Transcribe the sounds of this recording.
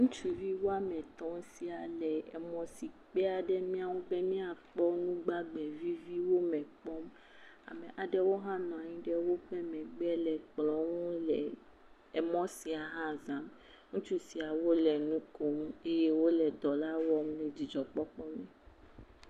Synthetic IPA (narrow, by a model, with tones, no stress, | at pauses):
ŋũ˦t͡ʃu˦vi˦wo˦a˦mɛ̃˨t̪ɔ̃˦m˦si˦a˨lɛ˨ɛ˨mɔ̃˨si˨k͡pɛ˦a˨ɖɛ˦mĩ˦a˦wo˦be˦mĩ˦a˨k͡pɔ˦nũ˦ɡ͡ba˦bɛ˨vi˦vi˦wo˦mɛ̃˨k͡pɔ˦m | a̰˨mɛ̃˨ʔa˨ɖɛ˦wo˦ɦã˦nɔ̃˨a˨ɲĩ˦ɖɛ˦wo˦ɸɛ˦mɛ̃˨ɡ͡bɛ˦lɛ˨k͡plɔ˦wo˦lɛ˨ | ɛ˨mɔ̃˦si˨a˨ɦã˦zã˦m | ŋũ˦t͡ʃu˦si˨a˨wo˦lɛ˨nũ˦ko˨me˦je˦wo˦lɛ˨d̪ɔ˨la˦wɔ˦mlɛ˨d͡ʑi˨d͡ʒɔ˨k͡pɔ˦k͡pɔ˦mɛ̃˨